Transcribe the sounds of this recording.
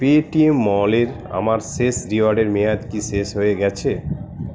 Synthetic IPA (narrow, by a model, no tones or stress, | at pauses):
peʈiemːɔleɾ | a̰maɾsesɾiaɖeɾmijad̪kiʃeʃɦojeɡɛt͡ɕʰe